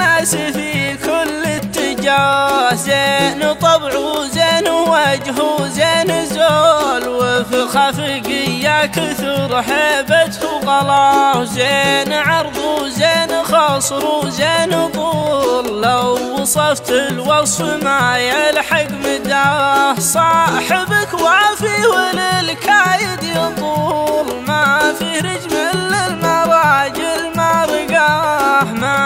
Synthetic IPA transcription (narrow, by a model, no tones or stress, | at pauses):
asifikʊlːɪt̪ːɪd͡ʒɑːɾɾzeːnt̪ˤɑbʕuzeːnwad͡ʒɦuzeːnzoːlwɪfixafɪɡɪjːakʊθʊɾˤħebat̪huɣɑlɑːzeːnʕɑɾˤðˤuzeːnxɑsˤɾuzeːnt̪ˤuːlːawːɑsˤɑft̪ɪlwɑsˤfmajalħaɡmɪd̪aħsˤɑħabːɪkwafiwɪlɪlkʰajɪd̪jɑt̪ˤuːlmafiɾɪd͡ʒmɪlːəlmaɾˤɑːd͡ʒɪlmaɾɪɡaħma